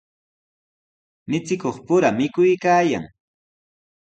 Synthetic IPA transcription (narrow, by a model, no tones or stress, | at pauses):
mɪt͡sɪkoχpʊɾamɪkʊjkaːja̰ŋ